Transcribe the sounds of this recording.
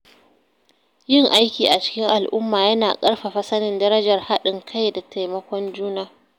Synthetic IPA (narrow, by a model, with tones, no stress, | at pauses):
jɪ˦ŋʔa˦jkʲiː˨ʔa˨t͡ʃɪ̥˦kʲɪ˦ŋʔa˨lʔʊ˦mːaː˨jɐ˦naː˨kʼɐ˦rɸa˨ɸɐ˦sɐ˦nɪ˨ndɐ˦ɾɐ˦d͡ʒɐ˨rha˦ɗɪ˨ŋkʰa˦jda˨tʰa˨jmɐ˦kʷɔ˦nd͡ʒuː˦naː˨